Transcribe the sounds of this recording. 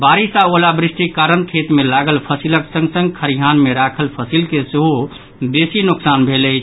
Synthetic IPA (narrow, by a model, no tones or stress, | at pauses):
baɾisaolabɾisʈikaɾənkʰet̪melaɡəlpʰəsiləksə̃ŋɡsə̃ŋɡkʰəɾijɦanmeɾakʰəlpʰəsilkeseɦo | besinʊksanbʱeləɪt͡ʃʰ